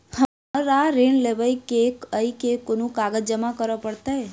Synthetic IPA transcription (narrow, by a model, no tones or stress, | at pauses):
hə | əɾaɾiɳleʋəjkekəikekonũkaɡəd͡ʒəmakəɾəpəɽt̪aɦe